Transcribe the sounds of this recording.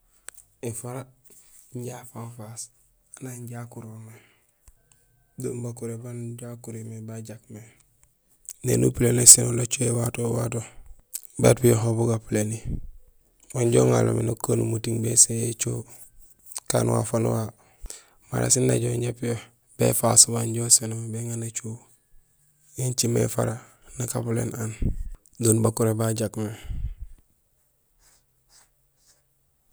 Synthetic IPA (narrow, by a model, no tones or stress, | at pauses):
ifaɾa | ɲɟafanfas | anaɲɟakuɾwoman | doːmbakuɾebanɟakuɾimebaɟakme | nḛnṵpilenesinolat͡ʃuewatoːwa̰to | batpijoxobuɡapileni | waɲɟoŋa̰lo̰minokanumutiŋbesejet͡ʃoː | ka̰ːnwa̰fanwa | ma̰ɾa̰sinːa̰ɟoːɲɟapijo | b̥ḛfasubaɲɟoːsenombeŋanat͡ʃuː | jiɲt͡ʃimḛfa̰ɾa | nakaplḛnan | donbakuɾebaɟakme